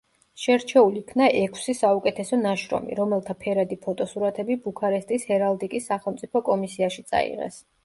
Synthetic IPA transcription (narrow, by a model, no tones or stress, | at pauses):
ʃɛɾt͡ʃʰɛuliːkʰnaʔɛkʰsisaukʼɛt̪ʰɛsɔnaʃɾɔ̰mḭɾɔmɛlˠt̪ʰapʰɛɾad̪ipʰɔt̪ʼɔsuɾat̪ʰɛbibukʰaɾɛst̪ʼishɛɾalˠd̪ikʼisːaχɛlˠmt̪sʼipʰɔkʼɔmisiaʃit̪sʼa̰ḭʁɛ̰s